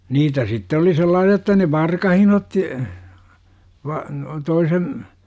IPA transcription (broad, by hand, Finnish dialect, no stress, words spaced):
niːtæ sitːe oli selːɑːsiɑ jotːɑ ne ʋɑrkɑhin otːi ʋɑ toisen